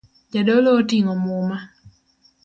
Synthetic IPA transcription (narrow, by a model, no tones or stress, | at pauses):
d͡ʒadɔlɔːtiŋɔmʊma